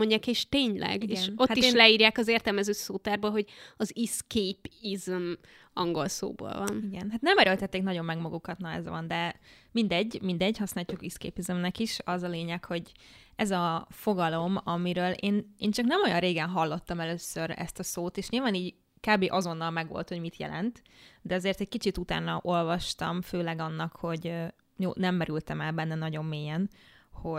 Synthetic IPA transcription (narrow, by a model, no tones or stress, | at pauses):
oɲɟːaːkeːʃt̪eːɲlɛ̰ɡieʃnothat̪ːieʃlɛiːɾjaːkɒzeːrt̪ɛlmɛzøːsoːt̪arboːlɦo̞ɟɒziskeːpizm | ɒŋɡo̞lso̰ːbo̰ːlvɒ̰niɡɛnɦat̪nɛmɛɾølt̪ɛt̪ːeːknɒɟo̞mːɛɡmɒɡukɒt̪nɒɛ̰zʋɒ̰nd̪ɛmind̪ɛɟːmind̪ɛɟhɒsnaːt͡ʃukiskḛːpizømnɛkiʃɒzɒleːɲɛkho̞ɟ | ɛzɒfoɡɒlo̞mɒmiɾøːlʔeːneːnt͡ʃɒknɛmo̞jɒnreːɡɛnɦɒlːo̞t̪ːɒmɛløːsøɾɛ̰st̪ɒsoːt̪eːʃɲilvaːniːɟ | kaːbeːʔɒzo̞nːɒlmɛɡʋo̰lt̪ho̞ɟmit̪jɛ̰lɛ̰nt̪ | d̪ɛɒzeːrt̪ɛc̚kit͡ʃit̪ut̪a̰ːnɒʔo̞lvɒʃt̪ɒmføːlɛɡɒnːɒkho̞ɟ | jo̰ːnɛmːɛɾylt̪ɛmɛlbɛnːɛnɒɟo̞mːeːjɛnho̞